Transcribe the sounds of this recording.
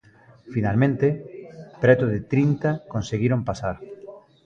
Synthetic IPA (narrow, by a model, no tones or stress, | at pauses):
finalmẽnt̪epɾɛt̪ʊðɪt̪ɾint̪akonseɣiɾompasaɾ